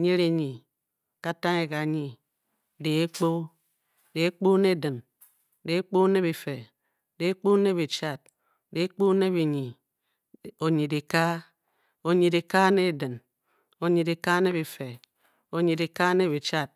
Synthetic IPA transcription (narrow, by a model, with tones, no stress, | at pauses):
ɲe˦ɾe˦ɲi˨ | ka˦ta˦ŋe˨ka˨ɲi˨ | de˨e˦k͡po˦ | de˨e˦k͡po˦ne˦˨dɨ˨n | de˨˦k͡po˦ne˦be˨fe˨ | de˨˦k͡po˦ne˦βe˨t͡ʃa˦t̚ | de˨˦k͡po˦ne˦βi˨ɲi˨ | o˨ɲi˨di˨ka˦ | o˨ɲi˨de˨ka˦ne˦˨dɨ˨n | o˨ɲi˨de˨ka˦ne˦βe˨fe˨ | o˨ɲi˨de˨ka˦ne˦βe˨t͡ʃa˦t̚